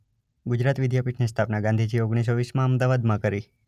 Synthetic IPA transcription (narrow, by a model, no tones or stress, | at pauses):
ɡud͡ʒɾat̪ʋid̪japiʈʰnest̪ʰapnaɡãnd̪ʱid͡ʒioɡɽ̃is̬oʋismãəmd̪aʋad̪mãkəɾi